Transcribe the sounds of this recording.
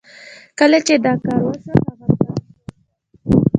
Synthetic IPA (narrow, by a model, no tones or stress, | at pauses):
kəlat͡ʃed̪ɑkɑɾwasaxabaɾk̪a